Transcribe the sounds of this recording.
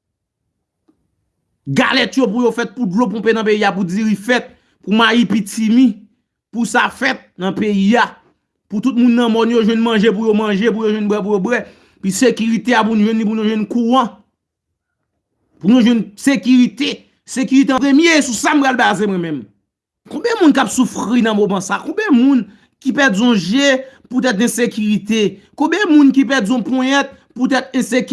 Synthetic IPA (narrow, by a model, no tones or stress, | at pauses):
ɡa̰lɛtjopujofɛt̪̚puvlopũpenɐ̃peiapud͡ziʁifɛt̪̚ | pumajipitimĩ | pusafɛt̪̚nɐ̃peia | put̪ut̪̚mũnːɐ̃mɔnjoʒwɛ̃nmɐ̃ʒep̬ujomɐ̃ʒepujoʒwɛ̃nbwɛp̬ujobwɛ | pisekyʁit̪eapunuʒwɛ̃nlĩp̬unũʒwɛ̃nkuʁʌ̃ | punũʒwɛ̃nsekyʁit̪e | sekyɣit̪ẽpemjesusam̩pɹalbazemwɛ̃mɛ̃m | kɔ̃bjɛ̃mũnkapsufʁinɐ̃momãsakɔ̃bjɛ̃mũn | kipɛd͡zɔ̃ʒɛput̪̬ɛt̪ɛ̃sekyʁit̪e | kõbjɛ̃mũnk̬ipɛd͡zɔ̃pɔ̃ɛ̃t̪̚ | put̪̬ɛt̪ɛ̃sek